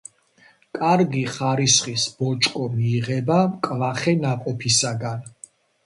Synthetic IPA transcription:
kʼaɾɡiχaɾisχisb̥ɔt͡ʃʼkʼɔmiːʁɛbamkʼvaχɛnaqʼɔpʰisaɡan

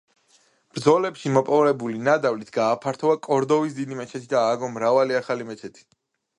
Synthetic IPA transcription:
b̥ɾd̪zɔlɛpʃimɔpʼɔvɾɛbulinad̪avlit̪ʰɡaːpʰaɾt̪ʰɔakʼɔɾd̪ɔvis̬d̪id̪imɛt͡ʃʰɛt̪ʰid̪aːɡɔmɾavaliaχalimɛt͡ʃʰɛt̪ʰi̥

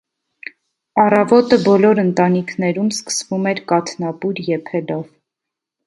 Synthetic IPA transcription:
ɑrɑvɔt̪əbɔlɔɾənt̪ɑnikʰnɛɾumskə̥svumɛɾkɑt̪ʰnɑpuɾjɛpʰɛlɔv

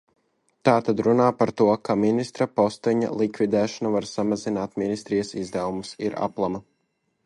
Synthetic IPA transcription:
t̪aːt̪ad̪ɾunaːpaɾt̪uɔkaminist̪ɾapɔst̪ɛɲa̰lˠikvid̪ɛːʃanavaɾsamazinaːt̪minist̪ɾijɐsizd̪ɛwumusiɾa̰plˠama

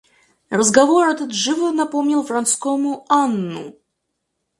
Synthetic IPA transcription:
rəzɡavoɾɐt̪ɨd̪ʐɨvɨnɐpomnʲilˠfrant̪skomuanːṵ

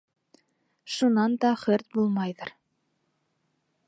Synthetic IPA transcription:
ʃunɑnd̪ɑχɵɾt̪̚bulˠmɑjðɤɾ

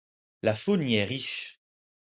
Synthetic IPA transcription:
lafonjɛʁiʃ

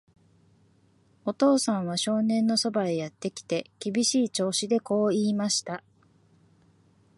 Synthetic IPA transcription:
o̞t̪o̞ːsãɰ̃β̞aɕo̞ːnẽ̞nːo̞so̞baejat̪ːe̞kʲi̥t̪e̞kʲibʲiɕiːt͡ɕo̞ːɕid̪e̞ko̞ːiːmaɕi̥t̪a

